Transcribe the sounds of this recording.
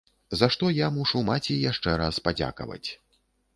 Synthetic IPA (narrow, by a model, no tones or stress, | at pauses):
zaʂt̪ɔjamuʂumat͡sʲijaʂt͡ʂɛɾaspad͡zʲa̰kɐ̰vɐ̰t͡sʲ